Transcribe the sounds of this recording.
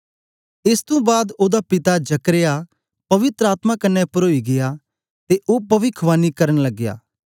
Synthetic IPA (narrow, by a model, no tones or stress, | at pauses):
ɪst̪õbaːd̪oːd̪apɪt̪ad͡ʒɐkɾeja | pɐʋɪt̪ɾəaːt̪makɐnːɛpɐɾoːiɡɪja | t̪eʔoːpɐʋɪkʰʋaːnikɐɾənlɐɡːja̰ː